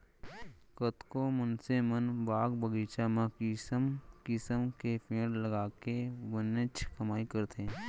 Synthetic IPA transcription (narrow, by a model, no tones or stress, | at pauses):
kət̪komənsemənbaːɡbəɡiːt͡ʃamãksmkɪsəmkepʰẽːɽləɡaːkeʋənɪt͡ʃʰkəmaːikəɾt̪eɛ̃